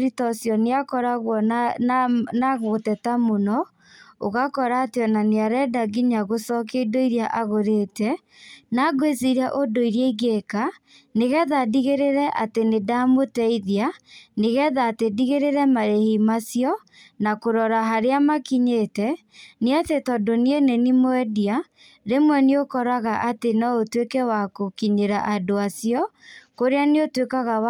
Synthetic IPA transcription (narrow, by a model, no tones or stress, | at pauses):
ɾitɔsjɔneakɔɾaɣwɔ | naɣotɛtamonɔ | oɣakɔɾaːteɔnaneaɾɛdaɡiɲaɣosɔk̬eidoiɾjaʔaɣoɾetɛ | naɡweziɾiaʔodoiɾiaiɡeka | neɣɛðadiɣeɾeɾɛʔatenedamotɛiðjaneɣɛðaːtediɣeɾeɾɛmaɾehimasjɔ | nakoɾɔɾaɦaɾeamakiɲetɛ | neatetɔdonienenimoɛdia | ɾemwɛneokɔɾaɣaʔatenɔotwekɛwakokiɲeɾaʔadoasiɔkoɾeaneotwekaɣawa